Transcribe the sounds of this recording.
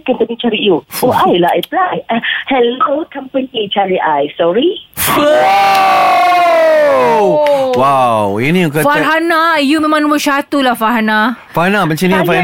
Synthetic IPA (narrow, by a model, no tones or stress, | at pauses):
kɛ̃np̪ənĩt͡ʃaɾijuʔoʔajlaajplajahɛlokãmpənit͡ʃaɹiʔajsɔɹi | wawinĩukəfaɦanajumẽmãŋnũwəʃat̪ulafaɦana | faanabət͡ʃãnĩfan